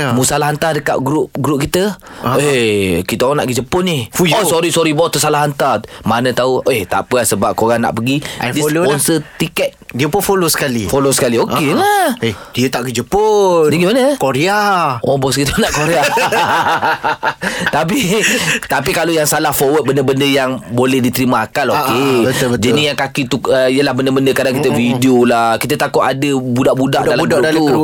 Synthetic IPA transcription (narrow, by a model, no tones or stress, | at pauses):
musalaɦant̪adəka̰ʔ̚ɡɾʊp̚ɡɾup̚kit̪ə | ekit̪əana̰ʔɡəd͡ʒəpʊnɪhosɔɾisɔɾibɔt̪əsalaɦant̪amanə̃t̪aueht̪a̰pəahsəbap̚koɾaŋna̰ʔpəɡidispɔnsət̪ikɛt̪̚diəpʊnfolosə̥kalifolosə̥kaliokelad̥iət̪aʔɡəd͡ʒəpʊt̪iŋɡimanəkoɾeaʔobɔs̬kit̪ənaʔkoɾea | t̪ap̬it̪ap̬ikalojaŋsalahfɔwət̪̚bəndəbəndəjaŋbolɛhdit̪əɾimãakalokebət̪bəd͡ʒadijaŋkakit̪uəijəlahbəndəbəndəkadaŋkit̪əvidiolahkit̪ət̪akʊt̪adəbudaʔbuda̰ʔalaudalu